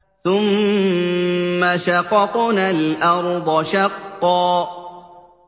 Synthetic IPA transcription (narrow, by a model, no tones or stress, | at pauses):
θʊm | aʃaqɑqʊnalʔɑɾˤd̪ˤɔʃaqːɔː